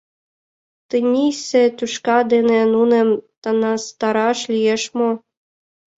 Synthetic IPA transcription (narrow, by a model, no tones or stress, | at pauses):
t̪ɨnʲisĕt̪ʲyʃkɑd̪enĕnunĕmt̪ɑnɑst̪ɑɾɑʃlʲijeʃmo